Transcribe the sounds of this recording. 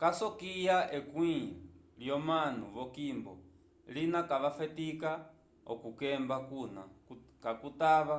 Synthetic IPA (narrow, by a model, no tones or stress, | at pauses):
kasɔkijaɛkwiljɔman̤uβɔkimbɔ̰ | linakaʋafɛtika | ɔ̰kukɛmbakuna̰kakutaʋa